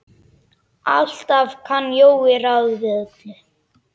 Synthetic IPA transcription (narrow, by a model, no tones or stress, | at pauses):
a̰l̥t̪avkʰanːjoːwɪɾawðvɛðt̪lʏ